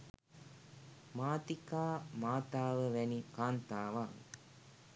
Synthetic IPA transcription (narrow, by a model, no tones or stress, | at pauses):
maːt̪ikaːmaːt̪aːʋəʋɛnikaːnt̪aːʋa